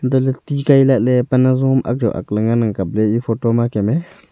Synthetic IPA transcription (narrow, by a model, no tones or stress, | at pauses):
nd̪olet̪ikajlalepanazumʔa̰k̚d͡ʒo̰ʔa̰kləŋɡanaŋkablejifotomakeme